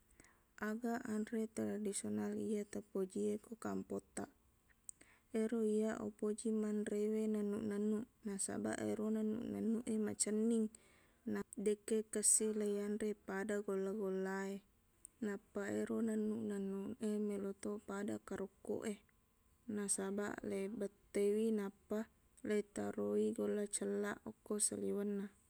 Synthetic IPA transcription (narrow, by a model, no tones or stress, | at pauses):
ʔaɡaʔanɾet̪aɾadisionaliat̪apod͡ʒiekokampot̪ːaʔ | eɾoijaʔo̰pod͡ʒimanrewenanːuʔnanːuʔnasa̰ba̰ʔeɾonanːṵʔna̰nːuʔemat͡ʃənːiŋ | nadekːekəsːilajanrepadaɡolːaɡolːae | napːaeɾonanːuʔnanːuʔemelot̪opadakaɾukːo̰ʔe | nasaba̰ʔlebat̪ːewinapːa | leit̪aɾoiɡolːat͡ʃəlːaʔokːosa̰liwanːa